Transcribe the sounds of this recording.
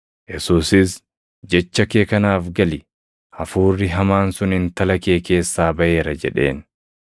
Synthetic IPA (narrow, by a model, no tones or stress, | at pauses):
jɛsuːsɪs | d͡ʒɛt͡ʃːɐkeːkɐnaːfɡɐlɪ | ɐfuːrːɪɦɐmaːnsʊnɪnt̪ɐlɐke̞ːke̞ːsːaːbɐʔe̞ːɾɐd͡ʒɛ̰ᶑe̞̰ːn